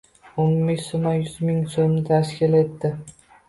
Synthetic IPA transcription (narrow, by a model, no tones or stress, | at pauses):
ommɪkʲsomajʊzmɪŋsomnɪt̪ʰaʃkʲʰɪlet̪ːɪ